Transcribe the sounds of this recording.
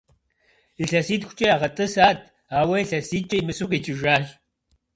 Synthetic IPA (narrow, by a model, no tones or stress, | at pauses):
iɬɐsiːtxʷʊ̥t͡ʃʼɐaːʁɐtʼɨsaːtʰ | aːwɐiɬɐsiːt͡ʃʼɐjmɨsuqʼit͡ʃʼɪʒaːɮ